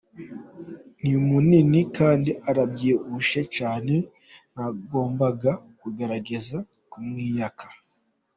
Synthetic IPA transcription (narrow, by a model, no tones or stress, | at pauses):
niumuninikaːndiaɾabɟiːuʃet͡ʃaːne̞ | naɡo̞ːmbaɡakuɡe̞ɾaɡe̞za | kumŋiːjakʰḁ